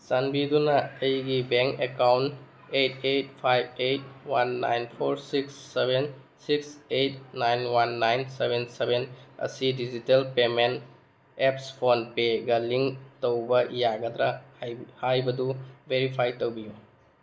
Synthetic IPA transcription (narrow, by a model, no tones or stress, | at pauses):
sanbidunɐːjɡibeŋkekawnt | ejt̚ejt̚pʰajbejt̚wanːa̰jnpʰoɾsiksːebʱen | siksejt̚najnwanːajnsebʱensebenɐ̰sidizitelpemen | epspʰonpeɡɐliŋtowbɐjaɡɐd̪ɾahajbɐdubeɾipʰajtowbiju